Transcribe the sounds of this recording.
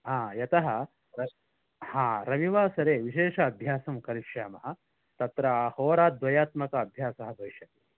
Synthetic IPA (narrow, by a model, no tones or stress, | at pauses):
ɦãːjɐt̪ɐɦɐ | ɾɐ | hãːɾɐʋiʋaːsɐɾeːʋiʃeːʂɐːbʱjaːsɐmkɐɾikʂaːmɐɦɐ | t̪ɐt̪ɾɐhoːɾaːt̪̚d̪ʋɐjaːt̪mɐkɐːbʱjaːsɐɦɐd̪oːʃɐt̪i